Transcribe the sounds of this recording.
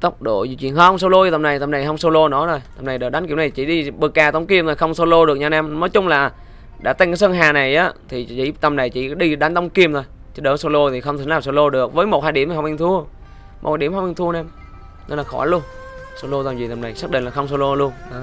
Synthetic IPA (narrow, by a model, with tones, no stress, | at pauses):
t̪ə˦˥wk͡p̚ɗo̰˧˩˨zḭ˧˨˦t͡ɕwḭ˧˨ənhə˧wŋ͡mso˧lo˧jt̪ə˨˩mna˨˩jt̪ə˨˩mna˨˩jhə˧wŋ͡mso˧lo˧nɔ˨˦no˨˩jt̪ə˨˩mna˨˩jɗəː˨˩ɗa˨˦nki˧˩wna˨˩t͡ɕḭ˧˩˦ɗi˧ɓɨ˨˩k̚ːaː˨˩t̪ə˧˦wŋ͡mki˧əmt̪ʰo˨˩xə˧wŋ͡mso˧lo˧ɗɨ˨˩ək̚ɲaː˧naː˧mnɔ˨˦jt͡ɕʊ˨˧˦ŋ͡mlaː˨˩ | ɗa̰ː˧˥˩t̪a˧ŋkːa˨˦sə˧ŋɦaː˨˩na˨˩jʔaː˨˦t̪ʰi˨˩t͡ɕḭ˧˥t̪ə˨˩mna˨˩jt͡ɕi˧˩ɗi˧ɗa˨˦nt̪ə˧˦wŋ͡mki˧əmnt̪ʰo˧˩j | t͡ɕɔ˧˦ɗə˨˦so˧lo˧t̪ʰi˨˩xə˧ŋ͡mt̪ʰɨ˧˦laː˨˩mso˧lo˧ɗɨ˨˩ək̚vəː˨˦jmo˨˩t̚haː˧jɗi˧˩əmʰː˨˩˧ŋ͡mʔi˧ŋt̪ʰu˧ə | mo˨˩aː˧ɗi˧˩əmhə˧wŋ͡mʔɛ˧ŋt̪ʰu˧ə˧nɛ˧m | nə˧laː˨˩xɔ̰˧˩˦lu˧ən | so˧lo˧t̪aː˨˩mzi˨˩t̪ə˨˩mna˨˩jsaː˦˥k̚ɗï˧˨ŋla˨˩xə˧wŋ͡mso˧lo˧lu˧ənɗɔ˨˦